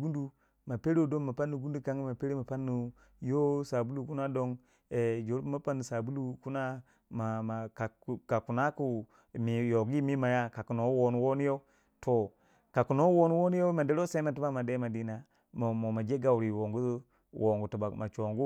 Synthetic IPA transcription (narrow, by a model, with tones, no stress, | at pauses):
ɡu˦ndu˨ | ma˨pe˦ɾo˦do˦ŋma˨pa˦nːu˨ɡu˦n˦du˦ka˨ŋɡi˦ma˨pe˦ɾe˦ma˨pa˦nːu˨ | jo˦sa˨bu˦lu˨ku˦na˦do˦ŋ | e˨d͡ʒo˨˦ɾpma˦pa˦nːu˨sa˨bu˦lu˦ku˦na˦ | ma˨ma˨ka˨ka˨ku˨na˦ku˨ | mi˨jo˨ɡi˦mi˦ma˨ja˦ka˨ku˨no˨˦wo˨nu˦wo˦nu˦jo˦ | tʰo˨ | ka˨ku˨no˦wo˦nu˦wo˦nu˦jo˦ma˨de˦ɾo˦se˦ma˨ti˦ba˦ma˨de˦ma˨di˦na˨ | mo˨mo˨ma˨d͡ʒe˦ɡa˨wɾi˨wo˨ŋɡu˦ | wʔo˨ŋɡu˨tu˨ba˨ma˨t͡ʃo˨ŋɡu˦